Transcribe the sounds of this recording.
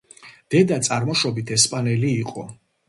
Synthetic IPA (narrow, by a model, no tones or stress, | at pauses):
d̪̥ɛd̪at̪sʼaɾmɔʃɔbit̪ʰɛspʼanɛliːqʼɔ